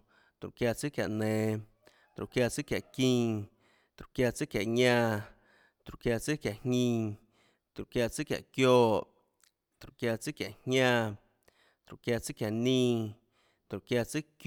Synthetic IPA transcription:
t̪ɾu˨kja˧t͡sɨ˦kja̰˨ʔnẽ˨ | t̪ɾṵ˨ʔkja˧t͡sɨ˦kja˨ʔkĩ˧ | t̪ɾu˨ʔkja˧t͡sɨ˦kja˨ʔɲã˧ | t̪ɾu˨ʔkja˧t͡sɨ˦kja˨ʔhɲĩ˧ | t̪ɾu˨ʔkja˧t͡sɨ˦kja̰˨ʔkjoː˧ʔ | t̪ɾu˨ʔkja˧t͡sɨ˦kja˨ʔhɲãː˧ | t̪ɾu˨kja˧t͡sɨ˦kja˨ʔnĩː˦˧ | t̪ɾu˨kja˧t͡sɨ˦k

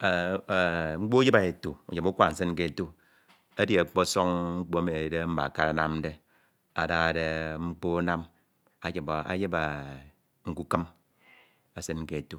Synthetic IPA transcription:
ŋ͡m̩˦k͡po˦ji˦ba˨e˨tu˨ṵ˨ɲe˨bu˦kʷa˦˨n̩˨s̬e˦n̩˦ke˨tu˦ | a˦di˨e˨k͡po˦so˦ŋŋ͡m̩˦k͡po˦a˦me˨de˦m̩˦ba̰˨ka˦ɾa˨na˦m˦de˦ | a˨da˨ɣa˨de˨ŋ͡m̩˦k͡po˦na˦m | a˨d͡ʒi˨ba˨a̰˨je˦ba˨ | ŋ̩˨ku˨kə˦m | a˨se˦n̩˦ke˨tu˦

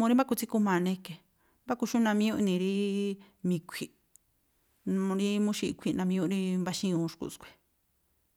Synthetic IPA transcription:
mũ˧ɾi˦mba˦ku˧t͡si˦ku˧mã˧nẽ˧ke˨ | mba˦ku˧ʃũ˦nã˧mĩ˧˦ũ˦˧ʔnĩ˧ɾi˦ | mĩ˧kʷʰi˨˧ | ɾi˦mũ˦ʃi˧kʷʰi˧nã˧mĩ˧ũ˦ɾi˦mba˧ʃĩ˦ũ˧ʃkṵ˧˨skʷe̥˨

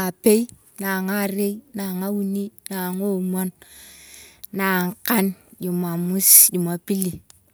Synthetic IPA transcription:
a˨pe˦i˦ | na˨ŋa˦˨ɾe˦ina˨ŋa˦wu˦ni˦na˨ŋo˦mɔ˦n | na˨ŋ˨ka˦nɟu˨ma˨mu˦sju˨ma˨pi˦li˨

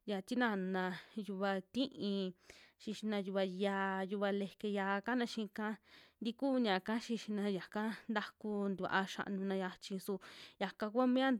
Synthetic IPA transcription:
ja˧t̪i˦nã˧nã˧ju˧βa˧t̪ĩ˦ʔĩ˧ʃĩ˧ʃi˧nã˧ju˧βa˧ja˧ju˧βa˧le˧ke˧ja˧ka˦nã˧ʃĩ˧kã˦nd̪i˧kuː˦˧ɲã˨ka˦ʃi˧ʃi˧nã˧ja˨ka˦nd̪a˦ku˧nd̪u˧ʔa˧ʃa̰˧ʔnũ˧nã˧ja˧t͡ʃĩ˧su˧ja˨ka˧ku˦a˦mẽ˦a˦

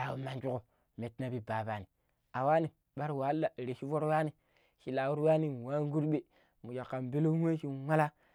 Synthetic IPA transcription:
a˨wu˨ma˨nd͡ʒu˦ko˨ | me˨tna˦bi˦ba˨ba˨ni˨ | a˨wa˦ni˨ | ɓa˦ɾwa˨˦lːa˨ɾe˨ʃi˦vo˦ɾwa˦ni˨ | ʃi˨la˨wu˦ɾwa˦ni˨wa˦ŋ˦ɡu˦ɾɓe˨ | mu˨ja˨kːa˨m˨be˦lo˦we˦ʃi˦˨wa˦la˦

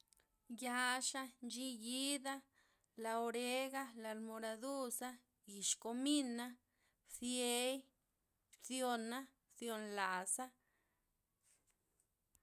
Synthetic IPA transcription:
ja˧ʂa˧nt͡ʃi˧ji˦d̪a˦ | la˧o˧ɾe˦ɡa˦la˧lmo˧ɾa˧d̪u˦sa˦ | ɡi˨ʃko˧mi˦na˦ | bθje˧j | bθjo˧na˦ | θjo˧nla˨sa˦

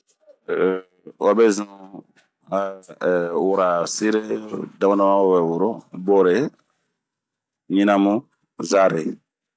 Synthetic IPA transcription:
wa˦bɛ˦zũ | wu˨ɾa˨si˦ɾe˦da˦ma˦na˦mã˦wo˦bɛ˨wu˨ɾo˦bo˦ɾe˨ | ɲĩ˦na˦mu˦ | za˦ɾe˨

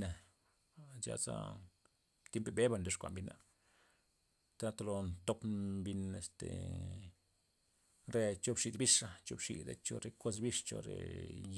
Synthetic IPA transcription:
na˨ | d͡ʒa̰˧t͡sa̰˦ | t̪je˦mpe˨be˦ba˧nd̪o˧ʂkʷa̰˨mbi˧˦na˨ | t̪a˦t̪o˧lo˧nt̪o˦pbi˧ne˧st̪e˨ | ɾe˧t͡ʃo˦bʂi˧d̪bi˦ʂa˦t͡ʃo˧bʂḭ˧˨d̪a˦t͡ʃo˧ɾe˧ko˦s̬bi˦ʂt͡ʃo̰˧ɾḛ˨j

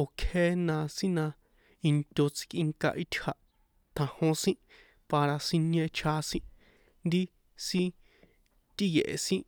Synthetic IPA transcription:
o˨kʰe˦nã˧sĩ˦nã˧ | i˧nt̪ʲo˧t͡si̥˧kʼi˧ŋka̰˧ʔi˧t̪ʲha˧ʔ | t̪ʰã˨hõ˧sĩ˦ | pa˧ɾa˧si˧nẽ˧t͡ʃʰa˧sĩ˦ | nd̪i˦ | sĩ˦ | t̪i˦je˨ʔḛ˨sĩ˦ʔ

